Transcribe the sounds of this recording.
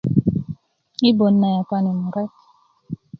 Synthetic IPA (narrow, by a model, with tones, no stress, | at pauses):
i˦bo˨nːa˨ja˨ka˦ni˨mu˨ɾɛ˦t